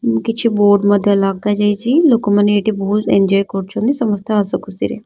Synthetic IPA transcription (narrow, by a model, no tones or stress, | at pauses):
kit͡ʃʰiboːɾɖmɐd̪ʱjɐlaːɡ̚t̪ad͡ʒajt͡ʃʰiloːkumɐnːeeʈibɐɦuzend͡ʒɔːjkoʈt͡ʃʰond̪isɐmɐst̪ʰjaɐsɐkusḭɾḛ